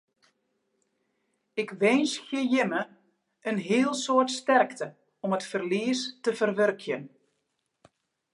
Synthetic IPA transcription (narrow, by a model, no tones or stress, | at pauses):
ɪkʋɛnsxjəjɪmə | ʔənɦɪəlˠsoərtstɛrktə | ɔmətfərliəstəvərʋørkʰjən